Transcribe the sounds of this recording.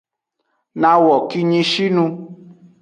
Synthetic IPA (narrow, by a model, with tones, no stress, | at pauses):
nã˧wɔ˨ki˧ɲĩ˧ʃi˦nũ˧